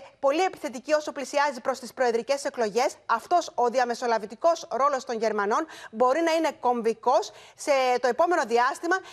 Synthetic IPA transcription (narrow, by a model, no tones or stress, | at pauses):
po̞lie̞pi̥θe̞t̪icio̞soplisiɐzipɾo̞st̪ispɾo̞eðɾice̞se̞kloʝe̞sɐft̪o̞so̞ðiɐme̞so̞lɐvit̪iko̞sɾo̞lo̞st̪o̞ɲʝe̞ɾmɐno̞nbo̞ɾinɐine̞ko̞ɱviko̞sːe̞t̪o̞e̞po̞me̞no̞ðiɐst̪imɐ